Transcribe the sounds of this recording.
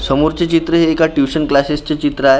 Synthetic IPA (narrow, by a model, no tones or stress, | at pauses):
səmuɾt͡ɕet͡ɕit̪ɾəɦeːkaʈjuɕənklasest͡ɕet͡ɕit̪ɾəaɦe